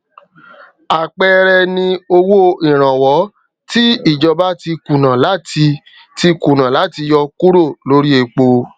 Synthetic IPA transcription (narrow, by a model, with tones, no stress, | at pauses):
a˨k͡pɛ˧ɾɛ˧nĩ˧o˧wo˦i˨ɾ̃ã˨wɔ˨˦ | ti˦i˦˨d͡ʒɔ˧ba˦ti˧kũ˨nã˨la˦ti˧ | ti˧˦kũ˨nã˨la˨˦ti˧jɔ˧ku˦ɾo˦˨lo˨˦ɾi˦e˧k͡po˧